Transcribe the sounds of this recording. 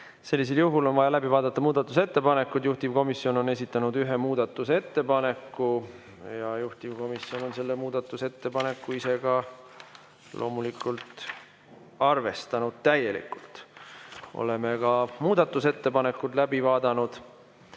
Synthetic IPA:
se̞lːis̬e̞ljuɦulo̞nvɑjɑlæbivɑːd̪ɑt̪ːɑmuːd̪̥ɑt̪ːˑuse̞t̪ːe̞pɑne̞kːud̪̥juht̪ivko̞misːjo̞no̞ne̞s̬ʲit̪ːˑɑnud̪̥yɦe̞muːd̪̥ɑt̪ːˑuse̞t̪ːe̞pɑne̞kːu | jɑjuht̪ivko̞misːjo̞no̞nse̞lːemuːd̪̥ɑt̪ːˑuse̞t̪ːe̞pɑne̞kːuise̞ɡ̥ɑ | lʔo̞ːmulikːult̪ | ɑrve̞st̪ɑnud̪̥̚t̪æje̞lḭkult̪ˑ | ʔo̞̰lemekɑmuːd̪̥ɑt̪ːˑuse̞t̪ːe̞pɑne̞kːˑut̪læbivɑːd̪̥ɑnud̪̥

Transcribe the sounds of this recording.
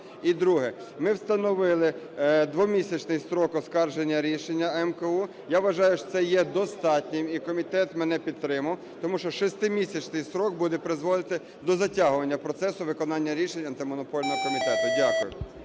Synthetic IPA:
id̪ɾuɦɛ | mɪwst̪ɐnɔʋɪlˠɪ | d̪ʋɔmʲisʲɐt͡ʃnɪjsɾɔkɔskɑrʒenʲːɐɾʲiʃenʲːɐɛmkɐu | jaʋʋɐʒɑjʊʃɔ̥sɛjɛd̪ɔst̪ɑtʲnʲɪmikɔmʲit̪ɛt̪mɛnɛpʲid̪t̪ːɾɪmɐw | t̪ɔmuʃt͡ʃɔʃɔst̪ɪmʲisʲɐt͡ʃnɪjsɾɔɡ̚bud̪ɛpɾɪzʋɔd̪ɪt̪ɪ | d̪ɔzɐtʲaɦʊʋɐnʲːɐpɾɔt̪sɛsʊʋɪkɔnɑnʲːɐɾʲiʃenʲɐnt̪ɪmɔnɔpɔlʲnɔɦɔkɔmʲit̪ɛt̪ʊdʲakʊjʊ̰

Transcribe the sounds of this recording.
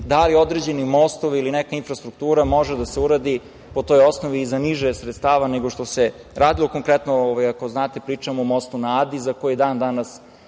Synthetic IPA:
d̪alio̞d̪ɾed͡ʑe̞nimost̪oʋilinekainfɾast̪ɾuk̚t̪uːɾamo̞ʒed̪aseuɾaːd̪i | po̞t̪o̞jo̞snoʋiːzaniʒesɾet̪st̪aːʋaneɡoʃt̪ose̞ | ɾaːd̪ilˠo̞ko̞ŋkɾɛt̪nooʋajako̞znaːt̪epɾiːt͡ʃamoomo̞st̪unaːd̪izakojid̪aːnd̪anas

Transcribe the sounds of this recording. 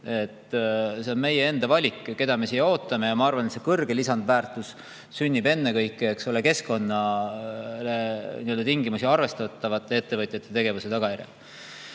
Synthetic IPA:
e̞t̪ːse̞o̞nme̞jee̞nd̪̥ɑvɑlʲikːke̞d̪̥ɑme̞sijːeo̞ːt̪ːˑɑme̞jɑmɑɑrvɑnet̪sekɤrɡ̥e̞lisɑnd̪væːrt̪ˑus | synʲːibe̞nːe̞kɤjkːˑeeksoleke̞sko̞nːɑ | le̞niøld̪ɑt̪iŋɡimusiɑrve̞st̪ɑt̪ˑːɑvɑt̪ːˑe̞et̪ːe̞vɤt̪ʲˑjɑt̪ːˑe̞t̪e̞ɡe̞vuse̞t̪ɑɡ̥ɑjæɾḛl

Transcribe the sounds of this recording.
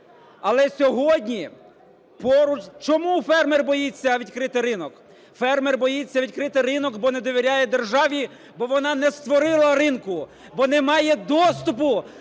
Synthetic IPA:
ɐlˠɛsʲɔɦɔdʲnʲi | pɔɾʊt͡ʃt͡ʃɔmufɛrmɛrbɔjit͡sʲːɐʋʲid̪ʲkɾɪt̪ɪɾɪnɔk | fɛrmɛrbɔjit͡sʲːɐʋʲid̪̚ʲkɾɪt̪ɪrɪnɔkbɔned̪ɔʋʲiɾʲajɛd̪erʒɑʋʲi | bɔʋɔnɑnɛst̪ʋɔɾɪlˠɐɾɪnkʊ | bɔnɛmɑjɛd̪ɔst̪ʊp̬ʊ

